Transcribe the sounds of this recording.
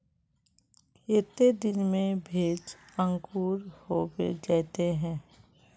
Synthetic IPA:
et̪ed̪ɪnmẽbʱeːd͡ʒə̃ŋkuːɾhoːbḛd͡ʒɛːt̪eɦɛ̃ː

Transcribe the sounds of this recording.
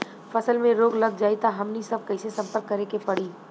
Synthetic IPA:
fɐsəlmẽɾoːɡlɐɡ̚d͡ʒaːit̪aɦɐmnisɐb̚kɐɪsesɐ̃mpəɾkːɐɾekepɐɽ̤iː

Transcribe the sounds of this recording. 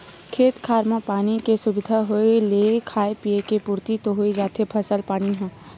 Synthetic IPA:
kʰeːt̪kʰaːɾmãpaːnikesʊbɪd̪ʱaɦoelekʰaːepiekepuːɾt̪it̪oɦoid͡ʒaːt̪ʰepʰəsəlpaːniɦɛ̃ː

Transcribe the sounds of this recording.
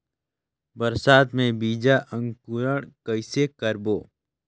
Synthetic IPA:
bəɾsaːt̪mẽbiːd͡ʒaʔə̃ŋɡkuɾəɽ̃kəɪsekəɾboː

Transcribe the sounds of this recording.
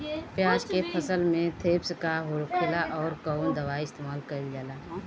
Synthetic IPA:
pjaːd͡ʒkepʰəsəlmẽt̪ʰeːbskaɦoɾkʰɪlaʔɔːɾkəʊnd̪əʋaːiɪst̪eːmaːlkəɾild͡ʒaːlaː

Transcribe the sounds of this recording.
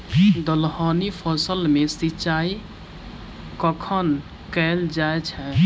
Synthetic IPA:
d̪əlɦanipʰəsəlmesitːt͡ʃai | kəkʰən | kɛld͡ʒaet͡ʃʰɛ

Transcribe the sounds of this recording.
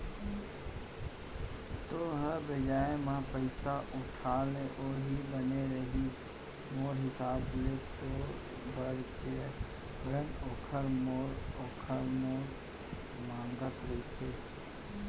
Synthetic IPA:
t̪oɦəbɪd͡ʒaːẽmãpəɪsaʔʊʈʰaːleʔoːɾɦibəneɾəɦi | moːɾɦɪsaːblet̪o | bəɾt͡ʃe | bɾənoːkʰəɾmoːɾoːkʰəɾmoːɾ | mãːŋɡət̪ɾekʰeː

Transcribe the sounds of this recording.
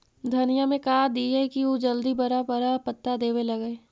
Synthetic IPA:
d̪ʱɐnijamẽkaad̪iɛkiod͡ʒɐld̪ibɐɾabəɾapɐt̪ːad̪eːʋelɐɡeː

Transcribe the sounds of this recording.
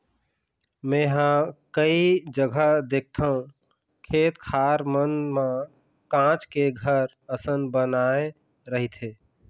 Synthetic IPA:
mẽɦə̃kəid͡ʒəɡʱəd̪ek̚ʰt̪ʰaɦũ | kʰeːt̪kʰaɾmənmã | kãt͡ʃkeɡʱəɾ | əsənbənae | ɾəɦit̪ʰɦeː

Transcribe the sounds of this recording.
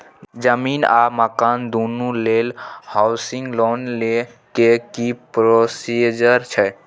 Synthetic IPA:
d͡ʒəmina̰məkand̪onulelhaʊsiŋɡlonle | kekipɾosid͡ʒəɾt͡ʃʰɛ

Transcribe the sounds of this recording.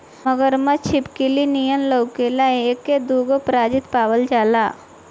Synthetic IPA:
məɡəɾmət͡ʃʰɪpkilinijənlowkelaeekːed̪uːɡopɾaːd͡ʒɪt̪paːʋəld͡ʒaːlaː

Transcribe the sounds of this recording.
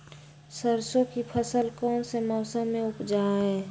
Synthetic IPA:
səɾsokipʰəsəlkɔːnsemɔːsəmːẽʊpd͡ʒaːɦɛː

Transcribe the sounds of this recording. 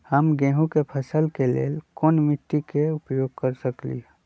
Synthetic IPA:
həmɡẽːɦũkepʰəsəlkelḛːlkoːnmɪt̪ːikeʊpjoːɡ̚kəɾsəklḭɦ

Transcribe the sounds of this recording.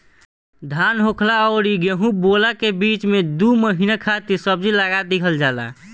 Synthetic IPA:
d̪ʱanɦokʰlaɔːɾiɡeɦũbolakebit͡ʃmed̪uməɦinakʰat̪iɾsəb̚d͡ʒilaɡad̪ikʰəld͡ʒaːla̰

